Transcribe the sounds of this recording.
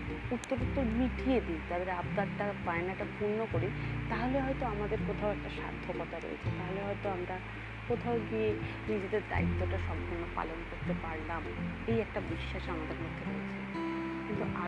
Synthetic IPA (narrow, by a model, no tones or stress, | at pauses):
ut̪ːoɾot̪ːomiʈʰied̪id͡ʑad̪eɾabd̪atːapaenaɛkʈabʱunːokoɾit̪aɦoleɦɔjt̪oamad̪eɾpɾot̪ʰaoɛk̚ʈaʃa̰ɾt̪ʰːokɔt̪aɾo̰jḛt͡ɕʰet̪aɦoleɦɔjt̪oamɾa | kot̪ʰawɡie | nid͡ʑed̪eɾd̪a̰it̪ːoʈaʃɔmpuɾnopa̰lonkoɾt̪epaɾlamejɛk̚ʈabiʃːaʃɔŋad̪ʱaɾmok̪ʰːeɾo̰et͡ɕʰe | kint̪uʔa